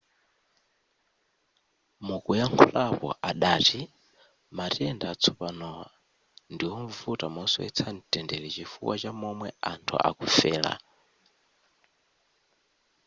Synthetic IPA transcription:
mukujaŋkʰulapɔ̰ʔaɗaːti | matiɛndaːt͡sʰupanɔwa | ndiwɔɱvutamɔsɔ̰ɛ̰t͡sʰan̩tʼɛndɛɺɛt͡ʃifṵwʔat͡ʃamɔmwɛantʰṵʔa̰kufɛːla̰

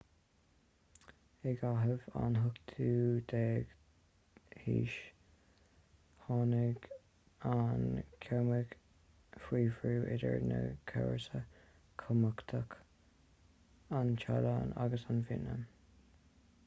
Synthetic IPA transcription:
ɪɡaɦəvanɦʊkt̪ʰuːd̪̥ɛːɡ̥ | hiːʃ | hɑnɪɡ | ankʰɛməɡ̥ | fiːvɹuːʔɪdəɹnəkʰɛɹsə | kʰəməkt̪ʰək | ant͡ʃʰalana̰ɡəsanvɪnə

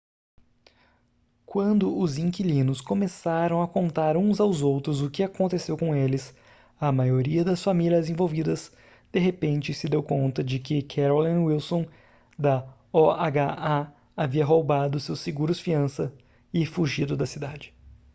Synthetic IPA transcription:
kwɐ̃nd̪ʊʔʊzĩkilĩnʊskomesaɾɐ̃w̃ɐkõnt̪aɾũzawzowt̪ɾʊzʊkɪakõnt̪esewkõelɪs | ɐmajoɾiɐd̪ɐsfamiliɐzẽvowvid̪ɐs | d̪̥eɦepẽnt͡ʃɪsɪd̪ewkõnt̪ɐd͡ʒɪkɪkʰɛɾolɐ̃wilsõ | d̪ɐ | ɔaɡaa | aviɐɦowbad̪ʊsewsɪɡuɾʊsfiɐ̃sɐ | ɪfuʒid̪ʊd̪ɐsid̪ad͡ʒɪ̥

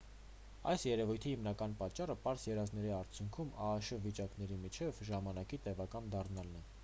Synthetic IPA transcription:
ɑjsjɛɾɛvujt̪ʰihimnɑkɑnpɑt͡ʃːɑrəpɑɾsjɛɾɑznɛɾiɑɾt͡sʰjuŋkʰumɑːʃəvit͡ʃɑkn̪ɛɾimit͡ʃʰɛvʒɑmɑnɑkit̪ɛvɑkɑnd̪ɑrnɑlnɛ

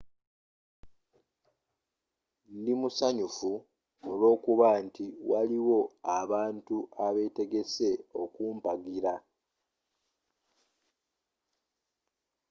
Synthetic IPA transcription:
ndimusaɲufu | olo̞ːkuβantiwaliwo̞aβaːntuaβe̞te̞ɡe̞se̞o̞kuːmpaɡiɾa

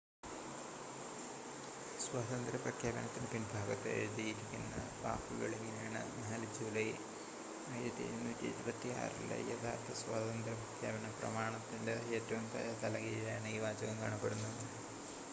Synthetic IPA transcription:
swaːd̪ɐnd̪ɾɐprɐkʰjaːbɐnɐt̪ːinɨpinbʱaːɡɐt̪ːeeɻuðijiɾikʲːunːɐ̰ba̰ːpːuɣɐ̰ɭeŋːɐne̞jaːɳɨ̰naːld͡ʑuːlɐj | ɐjiɾɐt̪ːiḛðunːuːtːiɐ̰ɾubɐt̪ːija̰ːrḭlɐ̰jɐt̪ʰaːrt̪ʰːɐswaːd̪ɐnd̪ɾɐprɐkʰjaːbɐnɐprɐ̰maːɳɐt̪ːindeeːtːɐʋumt̪ɐ̰jat̪ɐlɐɣiɣɐjaːɳɨiːʋaːd͡ʑɐɣɐmka̰ːɳɐpːeɽunːuðɨ

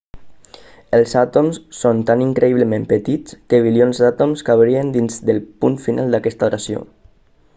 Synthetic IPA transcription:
əlˠzat̪omsːont̪aniŋkɾəiβləmempət̪it͡skəβilionzd̪at̪omskaβɾiənd̪inzd̪əlˠpunfinʔalˠd̪akɛst̪aoɾasio̰

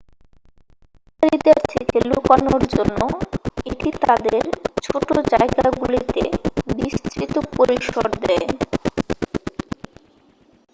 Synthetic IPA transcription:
kaɾid̪eɾt̪ʰekelukanoɾd͡ʑonːoeʈit̪ad̪eɾt͡ɕʰoʈod͡ʑaeɡaɡulit̪ḛbist̪ɾit̪opoɾiʃoɾd̪ɛe

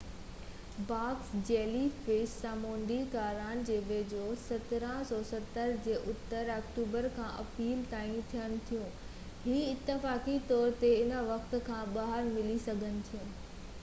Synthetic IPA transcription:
baːksd͡ʑeːlifeːssãːmõːɳɖikaːɾaːnd͡ʑeːʋeːd͡ʑosɐt̪ɾə̃sɔːsɐt̪əɾd͡ʑeːʔʊt̪əɾɐkʈuːbəɾkʰãːʔɐ̰piːlt̪aːĩt̪ʰijənɪ̆t̪ʰijũ | ɦiːɪt̪ːɪfaːkit̪ɔːɾt̪eɪnə̆ʋɐkt̪̆kʰãːɓaːɦəɾmɪlisɐɡʱənɪ̆t̪ʰijũː

